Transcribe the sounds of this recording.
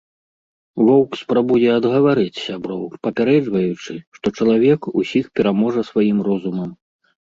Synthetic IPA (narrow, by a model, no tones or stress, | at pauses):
vɔwkspɾabujɛɐd̪ɣɐvaɾɨt͡sʲsʲabɾɔwpɐpʲaɾɛd͡ʐvɐjut͡ʂɨʂt̪ɔt͡ʂɐlˠavʲɛkusʲixpʲɛɾamɔʐɐsvajimrɔzumɐm